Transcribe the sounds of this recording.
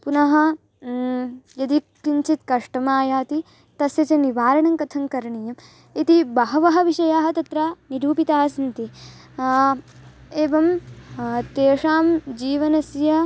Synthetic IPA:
punɐɦɐ̆ | jɐd̪ikːiɲt͡ʃit̪̚kɐʂʈɐmaːjaːt̪i | t̪ɐsjɐt͡ʃɐniʋaːɾɐɳɐŋkɐt̪ʰɐŋkɐɾɐɳijɐm | it̪ibɐɦɐʋɐɦɐʋiʂɐjaːɦɐt̪ɐt̪ɾaniɾuːpit̪aːsɐnt̪i | eːʋɐm | t̪eːʂaːmd͡ʒiːʋɐnɐsjɐ

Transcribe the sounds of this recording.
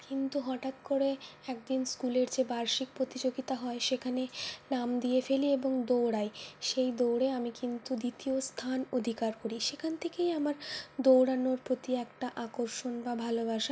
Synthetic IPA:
kint̪uɦɔʈat̪koɾeɛk̚d̪inskuleɾd͡ʑebaɾʃik̚pɾot̪id͡ʑoɡit̪aɦɔeʃekʰanenamd̪ijefelieboŋd̪owɽaeʃejd̪owɽeamikint̪ud̪it̪iost̪ʰanod̪ʱikaɾkoɾiʃekʰant̪ʰekejamaɾd̪owɽanoɾpɾot̪iɛkʈaʔakoɾʃonbabʱalobaʃa

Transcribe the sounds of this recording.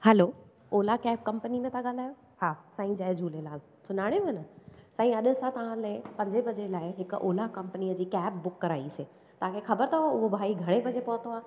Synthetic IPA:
hɛloː | oːlakɛːp̚kɐ̃mpənimẽt̪ãɠaːl̤aːjo | haːsaːĩd͡ʑaːjd͡ʑʱuːlelaːl | sʊnaːɽ̃emnəsaːĩɐɗ̆sãt̪ɐʋ̤ãleɪpɐ̃ɲd͡ʑebɐd͡ʑelaːɪɦɪkʔoːlakɐ̃mpəniːəd͡ʑiːkɛːp̚bʊkːɐɾaːiseː | t̪ɐɦãkʰexɐbəɾt̪ʰoʊɦobʱaːiɡʱɐɽ̃ebɐd͡ʑepɐɦt̪oaː

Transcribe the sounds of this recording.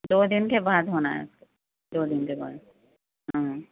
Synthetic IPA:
d̪od̪inkebaːd̪ʱɦonaɛ̰sk | d̪od̪inkeba̰ːd̪ | ɦãɦ

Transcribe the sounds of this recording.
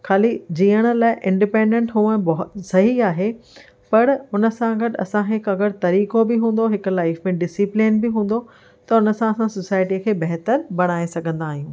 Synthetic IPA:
kʰaːlid͡ʑiːəɽ̃ə̆laːɪʔɪ̃ɳɖɪpẽːɳɖẽɳʈɦũɛ̃ːbɐɦʊt̪sɐɦiaːɦe | pɐɾʊnə̆sãɡɐʈɐ̰sãɦɪkɐɡəɽt̪ɐɾiːkobɪɦũːn̆d̪oɦɪkʊlaːɪfmẽɖɪsɪplɪnbɪɦũːn̆d̪o | t̪ɐʊnə̆sãɐsãsosaːɪʈikʰeːbɐɦt̪əɾbɐɽ̃aːesɐɡʱə̃nd̪aːɦijũː

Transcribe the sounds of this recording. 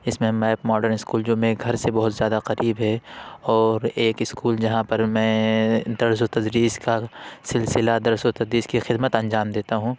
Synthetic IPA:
ɪsmẽmaːpmɔːɖəɾnɪskuːld͡ʒomẽɡʱɐɾsebɐɦʊt̪zjaːd̪aqɐɾʔiːbɦɛɔːɾeːkɪskuːld͡ʒɐɦãpɐɾmɛ̃ːd̪ɐɾsot̪ɐd̪ɾiːskasɪlsɪlad̪ɐɾsot̪ɐd̪ɾiːskixɪd̪mət̪ɐ̃nd͡ʒaːmd̪eːt̪aɦũ

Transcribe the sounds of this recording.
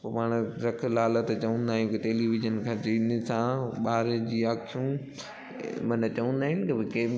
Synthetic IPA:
opaːɽ̃ɾɐkʰlaːlət̪t͡ɕɐʋə̃nd̪aːɦjũkiʈeːliːʋɪd͡ʒənkʰãːt͡ɕiːnsãɓaːɾd͡ʑiːaːkʰũ | mɐnt͡ɕɐʋə̃nd̪aːɦɪnɪkɐbɪkeː

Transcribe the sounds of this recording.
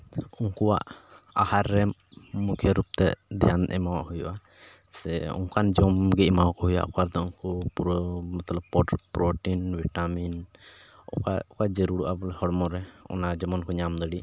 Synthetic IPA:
uŋkuwa̰ʔahaɾːɛmukʰjeɾup̚t̪ɛ̰d̪ɛjand̪ɛ̰mawa̰ʔhujṵʔa | sɛṵŋkand͡ʒɔmɡɛʔmawkɔhuja̰ʔɔ̰kaɾd̪ɔuŋkupɾmɔt̪lɔbɔpɾɔʈinbiʈamin | ɔkaɔkaʔd͡ʒeɾuɽuʔabɔlɛhɔɽmɔɾɛɔ̰nad͡ʒɔmɔnkɔɲamd̪əɽiʔ

